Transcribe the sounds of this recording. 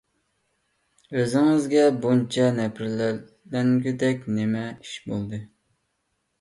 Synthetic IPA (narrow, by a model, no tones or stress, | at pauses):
øzɪŋɪzɡʲɛbunt͡ʃʰɑnɛpʰɪɾlæ | læŋɡʲɪd̪ɛkʲnɪmɛiʃbolˠd̪ɨ